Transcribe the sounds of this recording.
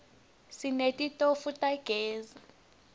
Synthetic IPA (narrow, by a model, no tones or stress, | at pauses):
sinetʼitʼofutʼaɡ̥ʱɛːza